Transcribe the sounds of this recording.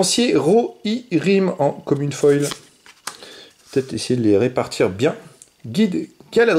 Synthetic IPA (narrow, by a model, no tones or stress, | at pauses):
ɑ̃sjeʁoiʁimɑ̃kɔmynfɔjl | pə̥t̪ɛt̪χesejed̪əleʁepaʁt̪ʰiʁbjɛ̃ | ɡʲid̪ɡalad̪